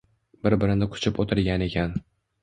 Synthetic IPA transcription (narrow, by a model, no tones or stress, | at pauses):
bɪɾbɪɾɪnɪkʰʊ̥t͡ʃʰɪpot̪ʰɪɾɡʲane̞kʲʰan